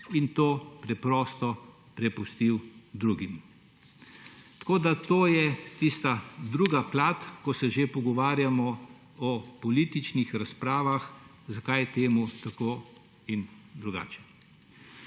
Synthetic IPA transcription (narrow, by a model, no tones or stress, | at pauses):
int̪oːpɾɛpɾɔːst̪ɔ | pɾɛpust̪iwd̪ɾuːɡim | t̪ɐ̥koːd̪at̪oːjɛt̪ist̪ad̪ɾuːɡaplaːt̪kɔsɛʒepɔɡɔʋaːɾjamɔ | ɔpɔliːt̪it͡ʃnixɾaspɾaːʋax | zakajt̪eːmut̪akoː | ind̪ɾuɡa̰ːt͡ʃɛ̥